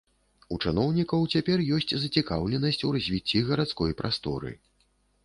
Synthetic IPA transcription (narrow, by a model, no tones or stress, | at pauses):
ut͡ʂɨnɔwnʲikɐwt͡sʲapʲɛrjɔsʲt͡sʲzɐt͡sʲikawlʲɛnɐsʲt͡sʲurɐzʲvʲit͡sʲːiɣɐɾat̪skɔjpɾast̪ɔ̰ɾɨ̰